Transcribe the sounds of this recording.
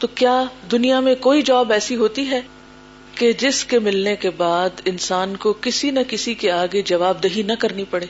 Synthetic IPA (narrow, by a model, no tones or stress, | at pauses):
t̪oːkjaːd̪ʊnijamẽkoːid͡ʒaːbɛːsiɦoːt̪iɦɛː | ked͡ʒɪskemɪlnekebaːd̪ɪnsaːnkokɪsinɐkɪsikeaːɡed͡ʒɐʋaːb̚d̪ɐɦinɐkɐɾnipɐɽeː